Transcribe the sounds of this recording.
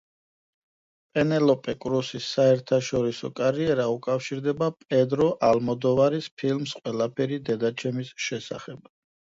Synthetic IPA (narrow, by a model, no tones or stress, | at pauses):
pʼɛnɛlɔpʼɛkʼɾusisːaɛɾt̪ʰaʃɔɾisɔ̰kʼaɾiɛɾaukʼafʃiɾd̪ɛbapʼɛd̪ɾɔʔalmɔd̪ɔvaɾispʰilmsqʼwɛlapʰɛɾid̪ɛd̪at͡ʃʰɛmisʃɛsa̰χɛb̥̚